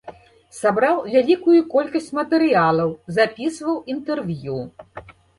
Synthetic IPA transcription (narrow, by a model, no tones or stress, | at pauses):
sabɾawvʲalʲikujukɔlʲkɐsʲt͡sʲmɐt̪ɛɾɨjalˠɐwzapʲisvɐwint̪ɛrvʲju